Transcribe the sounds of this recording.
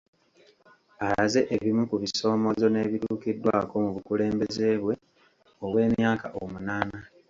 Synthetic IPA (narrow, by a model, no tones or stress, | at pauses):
alaze̞ʔeβimukuβiso̞ːmo̞zo̞ne̞ːβituːkidːwa̰ːko̞muβukule̞ːmbe̞ze̞ːβwe̞ | oβwe̞ːmjaːkaʔomunaːna